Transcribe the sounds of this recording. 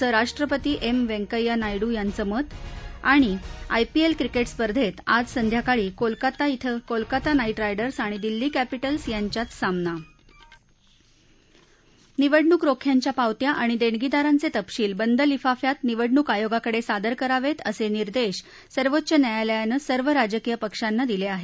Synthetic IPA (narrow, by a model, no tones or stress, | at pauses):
əɾaʂʈɾəpət̪iːʔemʋeŋkəjanajɽuːjant͡səmət̪aɽ̃ia̰jpielkɾikeʈspəɾd̪ʱet̪ad͡zsənd̪ʱjakaɭiːkolkat̪ait̪ʰəkolkat̪anaiʈɾajɖəɾsaɽ̃id̪ilːiːkæpiʈəlsjaɲt͡ɕjat͡s̪samna | niʋəɽɳuːkɾokʰjaɲt͡ɕjapawt̪jaʔaɽ̃id̪eɳɡid̪aɾant͡set̪əpɕiːlbənd̪əlifafjat̪niʋəɽɳuːkajoɡakəɽesad̪əɾkəɾaʋet̪əseniɾd̪eɕ | səɾʋot̪ːɕənjajaljanəsəɾʋəɾad͡ʑəkijəpəkʂanːad̪ileaɦe